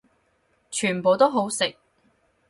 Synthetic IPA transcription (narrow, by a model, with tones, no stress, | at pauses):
t͡ʃʰyː˨˩npo˨wt̪o˥wɦo˨˥wsɪ˨k̚